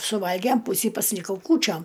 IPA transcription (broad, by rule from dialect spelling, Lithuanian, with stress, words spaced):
sʊˈʋɐlʲɡʲɛm ˈpuːsʲiː pɐsʲɪlʲɪˈkɐʊ ˈkuːt͡ʃʲoːm